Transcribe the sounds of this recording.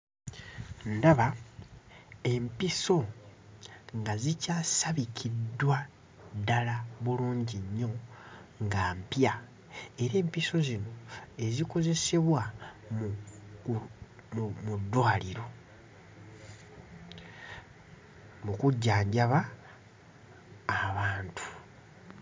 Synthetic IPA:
ndaβa | e̞mpiso̞ | ŋɡazicaːsaβikʰidwa | dalaβuluːɲɟiɲːo̞ŋɡaːmpja | e̞ɾe̞ːmpiso̞zino̞e̞ziko̞ze̞se̞βwamuk | mudːwaːliɾo̞ | mukuɟːaːɲɟaβa | βaːntʰu̥

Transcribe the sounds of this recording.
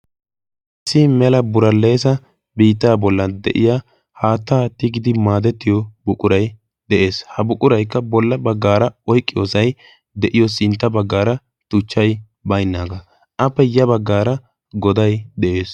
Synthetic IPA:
ʔɪsɪmɛlɐbʊɾɐlːe̞ːsɐ | biːt̪ːaːbɔlːɐd̪ɛ̰ʔɪ̰jaː | haːt̪ːaːt̪ːɪɡɪd̪ɪmaːd̪ɛt̪ːɪjɔbʊkʼʊɾɐj | d̪ɛʔe̞ːshɐbʊkʼʊɾɐjkːɐbɔlːɐbɐɡːaːɾɐɔjkʼːɪjoːsɐj | d̪ɛʔɪjɔsɪnt̪ːɐbɐɡːaːɾɐ | t̪ʊt͡ʃːɐj | bɐjnːaːɡɐ | ʔɐpːɛjɐbɐɡːaːɾɐ | ɡɔd̪ɐjd̪ɛʔe̞ːs

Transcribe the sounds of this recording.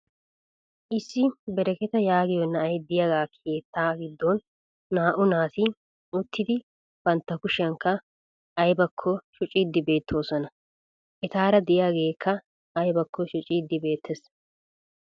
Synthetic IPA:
ʔɪsːɪbɛɾɛkɛt̪ɐjaːɡɪjɔnːɐʔɐjd̪ɪjaɡaːkʰe̞ːt̪ʰːaːɡɪd̪ːonː | aːʔʊnaːt̪ɪ | ʊt̪ːɪd̪ɪ | b̥ɐnt̪ːɐkʊʃɐŋkːɐ | ʔːjbɐkʰːɔʃʊt͡ʃʼiːd̪ːɪbe̞ːt̪ʰːoːsɔnɐ | ʔɛt̪aːɾɐd̪ɪʔɪjaːɡe̞ːkʰːɐ | ɐjbɐkːɔʃʊt͡ʃʼiːd̪ːɪbe̞ːt̪ʰːɛs

